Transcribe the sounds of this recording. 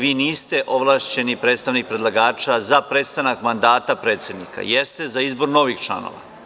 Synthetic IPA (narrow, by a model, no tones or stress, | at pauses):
ʋiːniːst̪e̞ʔo̞ʋlˠaːʃt͡ɕe̞nipɾe̞ːt̪st̪aʋnik̚pɾe̞d̪lˠaɡaːt͡ʃazapɾet̪st̪anakmand̪aːt̪apɾe̞ːt̪sʲe̞d̪nika̰jest̪e̞zaizbo̞ɾno̞ʋixt͡ʃla̰no̰ʋa̰